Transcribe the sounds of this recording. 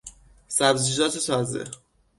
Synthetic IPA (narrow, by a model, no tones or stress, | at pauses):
sæbzid͡ʒɒːt̪ʰet̪ʰɒːzḛ